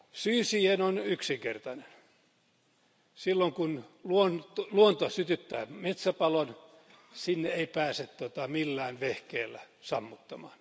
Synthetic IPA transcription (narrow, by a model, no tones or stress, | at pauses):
syːsiːhenonyksiŋkḛrt̪ɑnen | silːoŋkunluont̪luont̪osyt̪yt̪ːæ̰ːmet̪sæpɑlon | sinːeeipæːset̪t̪ot̪ɑmilːæːnʋehkeːlːæ | sɑmːut̪ːɑmɑ̰ːn